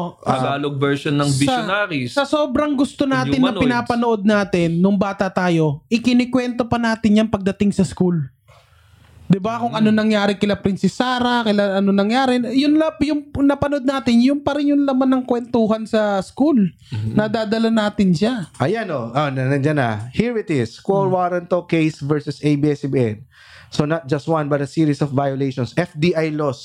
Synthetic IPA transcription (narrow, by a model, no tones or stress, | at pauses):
ɐɡaːloɡ̚bɛɹʃonːɐŋɪsonaːɾissɐsoːbɾɐŋɡʊst̪o̞naːt̪ɪnːɐpɪnaːpɐnoʔo̞d̪̚naːt̪ɪnːʊŋbaːt̪ɐt̪aːjo̞ʔɪkɪnɪkwɛnt̪o̞pɐnaːt̪ɪnjɐŋpɐɡ̚d̪ɐt̪ɪŋsɐskul | d̪ɪbakʊŋʔɐnonɐŋjaːɾɪkɪlapɾɪnsɪsaːɾɐkɐlaɐnonɐŋjaːɾɪjʊnlɐpjʊŋnɐpɐnod̪̚naːt̪ɪnjʊŋpɐɾɪnjʊnlɐmanːɐŋkwɛnt̪ohɐnsɐskul | nɐd̪aːd̪ɐlɐnaːt̪ɪnʃaʔɐjanoʔonɐnɐnd͡ʒana̰hiɹɪt̪ɪskoɹwaːɾɐnt̪okejsvɛɹsɛsejbiɛsbiɛn | sonɐt̪̚d͡ʒɐst̪̚wãnbɐt̪ɐsiːɹisɔfːajolejʃɔnsɛfd̪iʔajlos